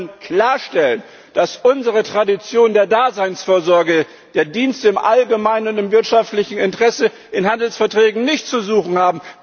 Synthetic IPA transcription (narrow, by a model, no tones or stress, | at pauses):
nkl̥aːɐʃtɛlən | d̥asʔʊnzəʁ̞ətʁ̥adit͡sjoːndeːɐdaːzaɪnsfoːɐzɔɐɡə | d̥eːɐdiːnstəɪmʔalɡəmaɪnʊntɪmvɪɐtʃaftlɪçn̩ɪntəʁɛsə | ʔɪnhandl̩sfɛɐtʁ̥ɛːɡŋ̩nɪçtt͡suzuːχn̩haːbm̩